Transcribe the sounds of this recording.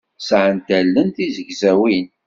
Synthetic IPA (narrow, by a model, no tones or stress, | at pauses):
sʕənt̪ælːənθizəʝzæwin